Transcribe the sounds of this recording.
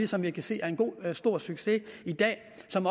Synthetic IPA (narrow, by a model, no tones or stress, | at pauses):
isɒ̽mʋikʰæse̝̰ːæɐe̝nɡ̥o̝̰ːsd̥o̝ɐ̰syɡ̥se̝id̥ɛ̰ː | sɒ̽m